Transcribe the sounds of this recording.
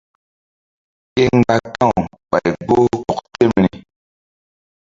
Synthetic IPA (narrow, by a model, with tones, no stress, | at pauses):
e˦ŋ˦ɡa˦tã˦˨ | ɓa˨jbo˦kɔ˦kte˦˨mɾi˨